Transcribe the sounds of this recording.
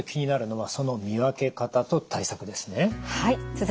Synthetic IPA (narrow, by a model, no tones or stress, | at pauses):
kʲiɲ̟inaɾɯ̟no̞βaso̞no̞mʲiβake̞kat̪at̪o̞t̪aisakɯ̟d̪e̞sɨne̞hait͡sɨz